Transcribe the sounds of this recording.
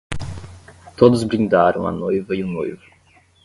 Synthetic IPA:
t̪od̪ʊzbɾĩd̪aɾɐ̰̃w̃ɐ̰nojvɐiʊnojvʊ

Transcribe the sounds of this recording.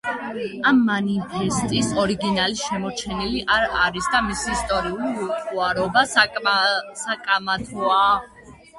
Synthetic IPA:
amːanipʰɛst̪ʼisɔɾiɡinaliʃɛmɔt͡ʃʰɛniliʔaɾaɾisd̪amisiːst̪ʼɔɾiuliilt̪ʼuaɾɔba | sakʼamat̪ʰɔa

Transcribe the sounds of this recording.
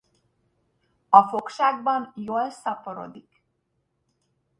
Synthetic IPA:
ɒfo̞kʃaːɡ̚bɒnjoːlsɒpoɾo̞̰d̪ik

